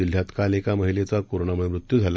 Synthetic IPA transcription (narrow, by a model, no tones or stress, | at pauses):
il̤ːjat̪kalekaməɦilet͡sakoɾoɳaməemɾut̪jud͡zʱala